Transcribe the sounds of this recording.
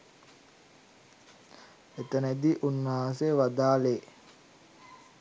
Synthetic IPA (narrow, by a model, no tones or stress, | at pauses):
et̪ənəd̪iʔunːaːseʋad̪aːle